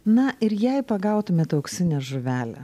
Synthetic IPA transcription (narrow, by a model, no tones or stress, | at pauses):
nɐʔɪɾjɛɪpɐɡɐˑʊt̪ʊmʲeːt̪ɐʊksʲɪnʲɛːʒʊʋʲæːlʲɛ̰